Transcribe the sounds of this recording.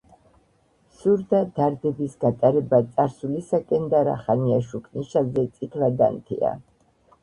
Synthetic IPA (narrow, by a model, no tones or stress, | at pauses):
suɾd̪ad̪aɾd̪ɛbisɡat̪ʼaɾɛbat̪sʼaɾsulisakʼɛnd̪aɾa̰χaniaʃukʰniʃalzɛt̪sʼit̪ʰlad̪a̰nt̪ʰḭa̰